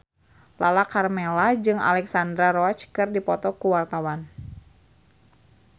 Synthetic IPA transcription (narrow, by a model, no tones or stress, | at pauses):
lalakarmɛlad͡ʒɨŋa̰lɛksandɾaɾɔt͡ʃkɨrdipɔt̪ɔkuwart̪awan